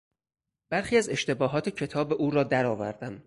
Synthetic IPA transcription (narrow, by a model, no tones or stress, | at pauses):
b̥æɾxiːæze̞ʃt̪e̞bɒːɦɒːt̪ʰecʰe̞t̪ʰɒːbeʔuːɾɒːd̪æɾɒːvæ̰ɾd̪æm